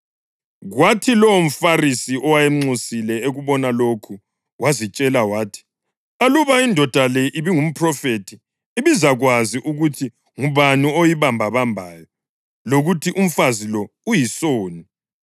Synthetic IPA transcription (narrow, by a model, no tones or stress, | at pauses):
ɣwatʰilɔom̩farisiʔɔwajɛŋ͡ǀusilɛeɣuβɔnalokʰu | wʔazit͡ʃʼɛlawaːtʰi̥ | aluβaindʱɔd̥ʱalɛʔiβiŋum̩pʰrɔfetʰiː | βizaɣwaziʔuɣutʰi | ŋuβaniojiβambʱaβambʱaːjɔ | loɣutʰiʔum̩fazilɔujisoːni